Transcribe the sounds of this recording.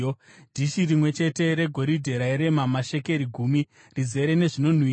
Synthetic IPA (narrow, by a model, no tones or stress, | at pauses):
dʱiʃirimwe̞t͡ʃe̞te̞ɾe̞ɡʱo̞ɾidʱe̞ɾaiɾe̞mamaʃe̞ke̞ɾiɡʱuːmi | rize̞ɾe̞ne̞ʐino̞n̤wiː